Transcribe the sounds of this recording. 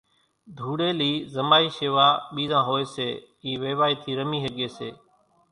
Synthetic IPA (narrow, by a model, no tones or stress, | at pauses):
d̪ʱuːɽeːliːzəmaːiːʃeːʋaːɓiːzãːɦoːeːseː | iːʋeːʋaːiːt̪ʰiːɾəmiːɦəɠeːseː